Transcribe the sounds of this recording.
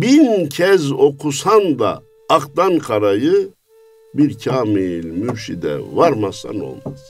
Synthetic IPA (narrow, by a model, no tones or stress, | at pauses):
bincʰɛzo̞kʰusand̪a̰ː | qd̪ankʰaɾajɯ | biɾcʰaːmilmymʃid̪ɛ̰vaɾmasa̰no̞̰lˠmaz